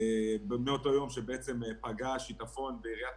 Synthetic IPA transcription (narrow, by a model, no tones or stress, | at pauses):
bmeo̞to̞jo̞mʃebeet͡se̞mepaɡaʃitafo̞nbeiʁija